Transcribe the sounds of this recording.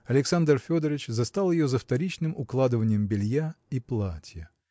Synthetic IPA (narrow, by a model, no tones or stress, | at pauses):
ɐlʲɪksand̪rfʲo̞d̪əɾʲɪt͡ɕzɐst̪alˠjɪjozəft̪ɐɾʲit͡ɕnɨmʊklˠad̪ɨvənʲɪjəmbʲɪlʲjaiplˠatʲjə